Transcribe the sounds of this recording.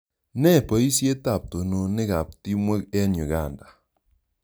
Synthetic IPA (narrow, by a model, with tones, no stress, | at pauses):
nɛ˦˨pɔ˨i˦sje˦ta˨p̚to˨no˨nɪ˦ka˨p̚ti˦mwe˦kɛ˦ɲu˨ɡa˦˨nda˨